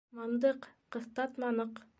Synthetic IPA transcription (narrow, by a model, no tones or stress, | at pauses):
mɑnd̪ɤqqːɤ̆θt̪ɑt̪mɑnɤq